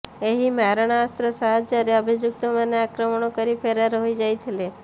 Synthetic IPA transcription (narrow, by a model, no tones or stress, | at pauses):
eɦimaɾəɳ̃aːst̪ɾəsaɦad͡ʒd͡ʒaɾeəbʱid͡ʒuk̚t̪omaneakɾəməɳokəɾipʰeɾaɾɦojd͡ʒajt̪ʰile